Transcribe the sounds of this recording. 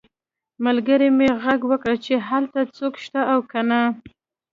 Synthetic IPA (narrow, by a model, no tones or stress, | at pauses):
malɡəɾemeɣaɡwəkɽət͡ʃeɦalt̪at͡sokʃt̪aawkana